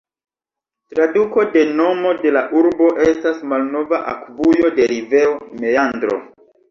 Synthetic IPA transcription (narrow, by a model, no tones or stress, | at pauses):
tɾaduko̞de̞no̞mo̞de̞laʔuɾbo̞ʔe̞stasmalno̞vaʔakvujo̞de̞ɾive̞ome̞andɾo̞̰